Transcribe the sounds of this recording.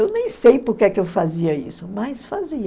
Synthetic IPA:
ewnẽj̃sejpʊɾkɛkɪewfaziɐisʊmɐjsfaziɐ

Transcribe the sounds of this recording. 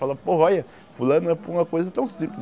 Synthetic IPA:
falɐpoɦɐɔjɐ | fulɐ̃nʊɛpʊũmɐkojzɐt̪ɐ̃w̃sĩplɪ

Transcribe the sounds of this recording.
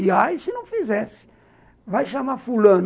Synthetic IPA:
iaisɪnɐ̃w̃fizɛsɪ̥ | vajʃamafulɐ̃n

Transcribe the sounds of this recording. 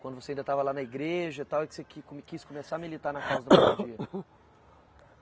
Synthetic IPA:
kwɐ̃nd̪ʊvoseaĩd̪ɐt̪avɐlanɐiɡɾeʒɐit̪awɪksekɪkomkiskomesaɐmilit̪aɾnɐkazɐd̪ʊmud͡ʒiɐ

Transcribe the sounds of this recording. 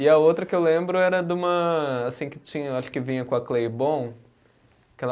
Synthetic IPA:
ɪɐowt̪ɾɐkɪewlẽmbɾʊɛɾɐd̪ũmɐasĩkɪ̥t͡ʃĩɲɐaʃʊ̥kɪvĩɲɐkõɐklejbõw̃ | kɛl

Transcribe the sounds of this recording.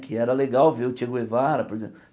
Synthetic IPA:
kʰɪɛɾɐleɡawveʊt͡ʃiaɡʊevaɾɐpoɾezẽ

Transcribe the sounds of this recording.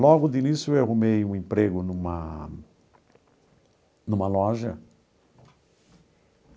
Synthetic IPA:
lɔɡʊd̪ɪinisjʊewaɦumejũẽpɾeɡʊnũmɐ | nũmɐlɔʒɐ

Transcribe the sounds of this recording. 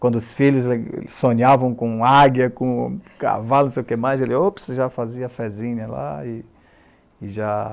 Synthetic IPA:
kwɐ̃nd̪ʊʊsfiʎʊzl̰sõɲavɐ̃w̃kõaɡjɐkõka̰valʊnʊ̃sejʊkemajzelɪopseʒafaziɐfɛzĩɲɐla̰ɪ | ɪʒa

